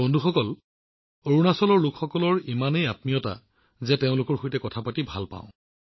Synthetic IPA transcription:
bɔndʱuxɔkɔl | oɹunasɔlɔɹlʊkxɔkɔlɔɹimanejat̚mijɔta̰ | zɛteʊ̃lʊkɔɹxojtɛkɔtʰapatibʱa̰lpã̰ʊ̃

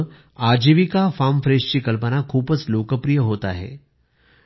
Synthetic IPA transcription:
aːd͡ʑiʋikafaːmfɾeːst͡ɕiːkəlpənakʰuːbəsloːkəpɾijəɦoːt̪a̰ɦɛ̰ː

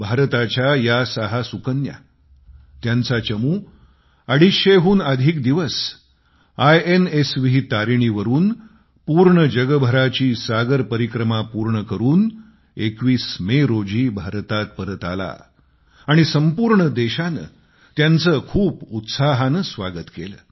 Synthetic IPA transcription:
bʱaɾt̪at͡ɕjajasaɦasukənja̰ | t̪jant͡sat͡ɕəmuː | əɽ̤iɕeɦuːnəd̪ʱiːkd̪iʋəs | ajenesʋiit̪aɾiɳ̃iʋəɾuːn | puɾɳəd͡ʑəɡəbʱəɾat͡ɕiːsaɡəɾpəɾikɾəmapuɾɳəkəɾuːn | ekʋiːsmeɾod͡ʑiːbʱaɾt̪at̪̚pəɾət̪a̰la̰ː | ɽ̃isəmpuːɾɳəd̪eɕanə̰ | t̪jant͡səkʰuːput̪saɦanəsʋaɡət̪kelə̰ː

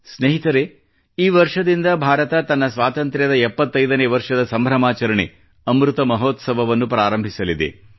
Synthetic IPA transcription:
sneɦit̪ɐɾe̞ | iːʋɐɾʂɐd̪ind̪ɐbʱaːɾɐt̪ɐt̪ɐnːɐsʋaːt̪ɐnt̪ɾjɐd̪ɐɛpːɐt̪ːɐjd̪ɐneːʋɐɾʂɐd̪ɐsɐmbʱɾɐmaːt͡ʃɐɾɐɳḛ | ɐmɾut̪ɐmɐɦoːt̪sɐbʱɐʋɐnːupɾaːɾɐmbʱisɐlid̪ḛ

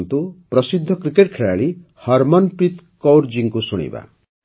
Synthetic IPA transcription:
nt̪upɾɔsid̪ʱːɔkɾikeʈkʰeɭaɭi | hɔɾmɔnpɾit̪ | kowɾd͡ʒiŋkusuɽ̃ḭba̰

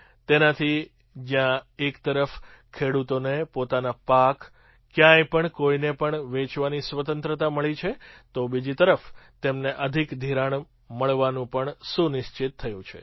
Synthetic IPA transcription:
t̪enat̪ʰi | d͡ʒjãekt̪əɾəfkʰeɽut̪onepot̪anapak | kːjãjpəɳkoinepəɳʋet͡ʃʋanisʋət̪ə̃nt̪ɾət̪aməɭit͡ʃʰet̪obid͡ʒit̪əɾəft̪emneʔəd̪ʱikd̪ʱiɾaɳ | məɭʋanũpəɳsunɪʃt͡ʃɪt̪ʰːəjũt͡ʃʰḛ

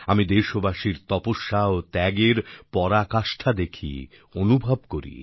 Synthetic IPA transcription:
amid̪eʃobaʃiɾt̪ɔpoʃːaot̪ɛɡeɾpɔɾakaʃʈʰad̪ekʰḭ | onubʱab̚koɾḭ

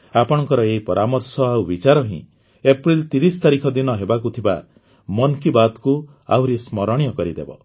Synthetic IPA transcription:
apɔɽ̃ɔŋkɔɾɔeipɔɾʔamɔɾsɔawbit͡ʃaɾɔɦḭ̃ | epɾilt̪iɾist̪aɾikʰɔd̪inɔɦebakut̪ʰiba̰ | mɔnkibad̪ku | a̰wɾismɔɾɔɽ̃jɔkɔɾid̪ḛbɔ̰

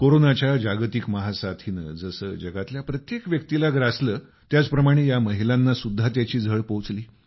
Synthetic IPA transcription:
koɾonat͡ɕjad͡ʑaɡt̪ikməɦasat̪ʰiːnə̰d͡zəsəːd͡ʑəɡat̪ljapɾət̪jekʋjək̚t̪ilaɡɾasləː | t̪jat͡spɾəmaɽ̃ejaməɦilanːasud̪ʱːat̪jat͡ɕiːd͡zʱəɭpot͡sliː

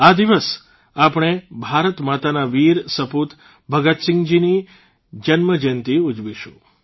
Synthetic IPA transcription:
ad̪iʋəs | apɳ̃ebʱaɾət̪mat̪anaʋiɾsəput̪ | bʱəɡət̪sɪ̃ŋɡd͡ʒini | d͡ʒənməd͡ʒənt̪iud͡ʒʋiʃṵ̃

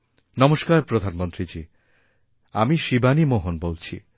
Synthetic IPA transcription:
nɔmoʃkaɾpɾod̪ʱanmont̪ɾid͡ʑi | amiʃibanimoɦonbolt͡ɕʰi

